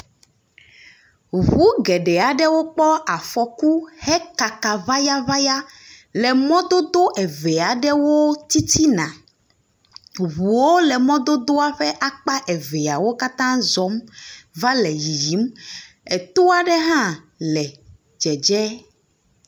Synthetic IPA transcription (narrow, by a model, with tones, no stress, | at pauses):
ɣu˦ɡɛ˨ɖɛ˨a˨ɖɛ˦wo˦k͡pɔ˦a˨fɔ˨ku˦hɛ˦ka˨ka˨va˦ja˦va˦ja˦ | lɛ˨mɔ̃˦d̪o˦d̪o˦ʔɛ˨ve˨a˨ɖɛ˦wo˦t̪i˦t̪ʰi˦nã˨ | βu˨wo˦lɛ˨mɔ̃˦d̪o˦d̪o˦a˦ɸɛ˦ʔa˦k͡pa˦ʔɛ˨ve˨a˨wo˦ka˦t̪ã˦zɔ˨˦mva˦lɛ˨ji˨ji˨˦m | ɛ˨t̪o˦a˦ɖɛ˦ɦã˦ | lɛ˨ | d͡ʒɛ˨d͡ʒɛ˦